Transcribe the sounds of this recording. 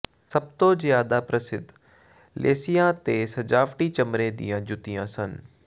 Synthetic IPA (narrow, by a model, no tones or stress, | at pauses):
sɐb̚t̪ozjaːd̪apɾɐsɪd̪ʱ | lʔḛːsijãt̪eːsɐd͡ʒaːʋʈit͡ʃɐmɾẽd̪ḭjãːd͡ʒʊt̪ijãːsən